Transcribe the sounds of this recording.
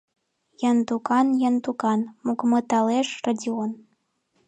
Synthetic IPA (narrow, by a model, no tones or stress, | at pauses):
jɑnt̪ukɑnjɑnt̪ukɑnmuɡmɤ̆t̪ɑleʃradʲion